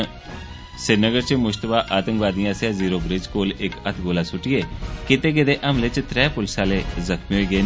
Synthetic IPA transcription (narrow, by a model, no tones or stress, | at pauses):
sɪɾnəɡəɾt͡ʃəmʊʃt̪əbaːʔaːt̪ə̃ŋkʋaːd̪ijãːsjãːziːɾoːbɾɪd͡ʒkoːlɪkət̪ʰɡoːlaːsʊʈɪjeːkɪt̪eːkɪd̪eːʔəmlet͡ʃt̪ɾɛːpʊlsaːleːzəkʰmioiːɡeː